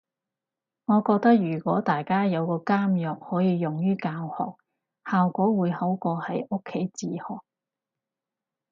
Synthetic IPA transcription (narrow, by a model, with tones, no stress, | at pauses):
ŋɔː˨˧kɔː˧k̚t̪ɐ˥k̚jyː˨˩kʷɔː˨˥t̪aː˨jkaː˥jɐ˨˧wkɔː˧kaː˥mjɔː˨k̚hɔː˨˥jiː˨˧jʊ˨ŋjyː˥kaː˧whɔ̰ː˨k̚ | haː˨wkʷɔː˨˥wuː˨˧jho˨˥wkɔː˧hɐ˨˥jʔʊ˥kʰːe˨˥jt͡siː˧hɔː˨˩k̚